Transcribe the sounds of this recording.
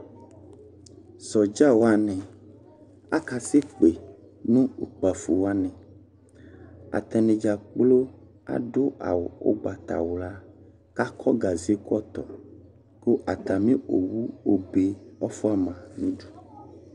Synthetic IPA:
sɔ˨d͡ʒa˦wo˦a˦nɛ̃˨ | a̰˦ka˨se˦k͡pe˨ | nũ˦u˨k͡pa˨fu˨wa˦nɛ̃˨ | a̰˨t̪ɛ˨nẽ˨d͡ʒa˨k͡plo˦ | a̰˨ɖo˦ʔa̰˨wo˨o̰˦ɡ͡ba˨t̪a̰˨wo˨la˦ | ka˦kʰɔ˦ɡa˨zi˨˦e˦kɔ˦t̪ɔ˨ | ko˦ʔa˨t̪a˨mĩ˦o̰˨wu˦o˦be˨ɔ˦fɔ˦a˦˨mã˨nũ˦ɖu˨

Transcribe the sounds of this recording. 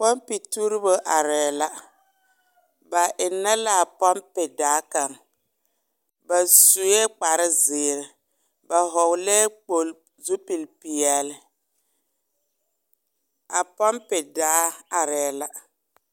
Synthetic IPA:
pɔ˦mpi˨tu˦ɾɪ˦bo˦ʔa˨ɾɛː˨la˦ | ba˨ʔɪ˨nːɛ˦la˦˨pa˦mpɛ˨daː˨˦ka˨ŋ | ba˨su˨jɛ˦k͡pa˨ɾɪ˦zɪː˨ɾɪ˨ | ba˨ɦɔ˨wlɛː˦k͡po˨l | zu˦pi˨lpi˨ɛ˨lɪ˦ | a˨pa˦mpɛ˨daː˨˦a˨ɾɛː˨˦la˨

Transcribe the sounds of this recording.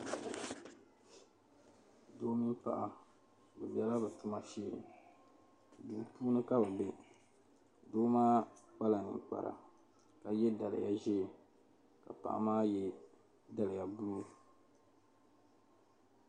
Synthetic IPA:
doː˦mi˦mpa̰˦ʔa˨ | bɨ˨bɛ˦la˦bɨ˨tʊ˦ma˦ʃe˦˨ | duː˨puː˦nɨ˦ka˦ba˨be˨ | doː˦maː˦k͡pa˦la˨nɨ̰˨ŋ˨k͡pa̰˨ɾa̰˨ | ka˨jɛ˦da˨lɪ̰˨ja˦ʒɛ˦˨ | ka̰˨pa̰˨ʔa̰˨maː˦jɛ˦ | da˦lɪ˨ja˨bu˦u˦

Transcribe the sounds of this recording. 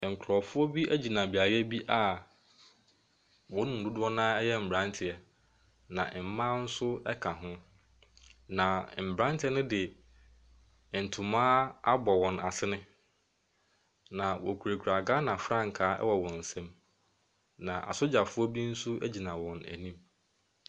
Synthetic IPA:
ŋ̩˨kʰɾɔ˨fʊ˦ɔ˦bi˦ʔæ˦d͡ʑi˨nã˨bi˨a˨ɾɛ˦bi˦ʔa˨ | wɔ̃˨˦nʊ̃˨n̩˨dʊ˦dʊ˦ɔ˦nã˦ɛ˦jɛ˦m̩˨bɾã˦ntʰɪ˨ɛ˨ | nã˨ʔm̩˦mã˦n̩˦sʊ˦ɛ˦kʰa˨ɦʊ̃˦ | nã˨m̩˨bɾã˦ntʰɪ˦ɛ˦nʊ̃˦dɪ˨ | n̩˨tʰʊ̃˨mãː˦a˦bɔ˨wɔ̃˨na˨sɪ˦nɪ̃˦ | nã˨wɔ̰˨kʰu˨ɾe˨kʰu˨ɾa˨ɡa˦nã˨fɾã˦ŋ̩˨kʰaː˨˦ɛ̰˦wɔ˨wɔ̃˨n̩˨sɛ̃˦m | nã˨ʔa̰˨sʊ˦d͡ʑa˨fʊ˦ɔ˦bi˦n̩˦sʊ˦ʔæ˦d͡ʑi˨nã˨wɔ̃˨næ̰˨nĩ˦m

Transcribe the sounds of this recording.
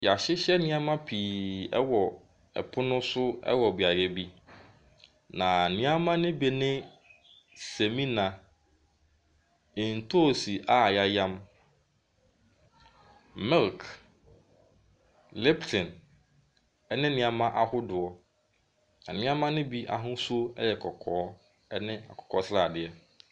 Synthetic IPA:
ja˨ɕɪ˦ɕɛ˦nɪ̃˦a˦mã˦pʰi˨ɛ̰˦wɔ˨ | ɛ̰˨pʰʊ˦nʊ̃˦sʊ˦ɛ̰˦wɔ˨bɥa˨ɾɛ˦bi˦ | nã˨nɪ̃˦a˦mã˦nɪ̃˦bi˨nɪ̃˦ | se˨mĩ˦nã˨ | ɪ̃˨n̩˨tʰo˦˨si˨ʔa˦˨ja˦jã˦m | mɪ˦lk | lɛ˦btʰɪ̃˨n | ɛ˦nɪ̃˦nĩ˨a˨mã˦ʔa˨hʊ˦dʊ˨ɔ˨ | nã˨nɪ̃˦ã˦mã˦nɪ̃˦bi˦ʔa̰˨ɦʊ̃˦su˦o˦ɛ̰˦jɛ˨kʰɔ˨kʰɔː˨˦ | ɛ˦nɪ̃˦a̰˨kʰɔ̥˨kʰɔ˨˦sɾa˦˨dɪ˨ɛ˨

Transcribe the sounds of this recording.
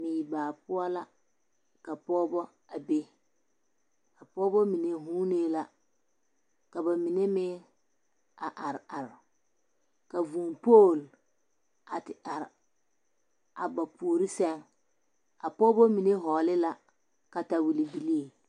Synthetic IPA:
mi˨i˨baː˨pʊ˦a˦la˦ | ka˨pɔː˦bɔ˦ | a˨be˦ | ka˨pɔː˦bɔ˦mi˨ne˨ɦuː˦neː˦la˦ | ka˨ba˨mi˨ne˦mɪː˦ | a˨ʔa˨ɾa˨ɾ | ka˨vu˨ŋpo˦˨l | a˨tɪ˨ʔa˨ɾ | a̰˨ba˨pu˨ɾi˦sɛ˦ŋ | a˨pɔː˦bɔ˦mi˨ne˦ɦɔː˨lɪ˦la˦ | ka˨ta˨wi˨li˨bi˨li˦e˨

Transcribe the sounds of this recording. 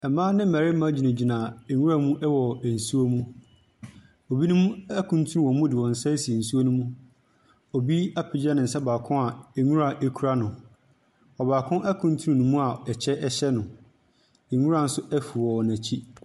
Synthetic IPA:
ɛ˨mãː˦nɪ̃˦m̩˦mæ˨ɾɪ˦m̩˦mã˦d͡ʑi˨nã˨d͡ʑi˨nãː˨e˨ŋũ˦ɾa˦mũ˦ʔɛ˦wɔ˨æ˨n̩˨su˦o˦mũ˦ | o˨bi˦nũ˦mũ˦æ˦kʰũ˨n˦tʰu˦ɾũ˦wɔ̃˨˦mũ˦dɪ˨wɔ̃˨n̩˨sɛ˦si˨e˨n̩˨su˦o˦nũ˦mũ˦ | ɔ˨bi˦a˦pʰɪ˨d͡ʑa˦nɪ̃˨n̩˨sɛ˦baː˨kʰʊ̃˦a˨e˨ɲũ˦ɾa˨ʔe˦kʰu˦ɾa˦nʊ̃˨ | ɔ˨baː˨kʰʊ̃˦ʔæ˦kʰũ˨n˦tʰu˦ũ˦nũ˨mũ˦a˨ɛ˨t͡ɕʰɛ˦ʔɛ˦ɕɛ˦nʊ̃˨ | ɛ˨ŋu˦ɾa˨n̩˦sʊ˦æ˦fu˨ɔ˨nã˨t͡ɕʰi˦

